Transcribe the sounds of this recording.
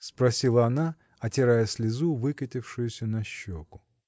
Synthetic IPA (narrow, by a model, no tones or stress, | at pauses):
spɾɐsʲilˠəɐna | ɐtʲɪɾajəsʲlʲɪzuvɨkətʲɪfʂɨjʊsʲənɐɕːokʊ̥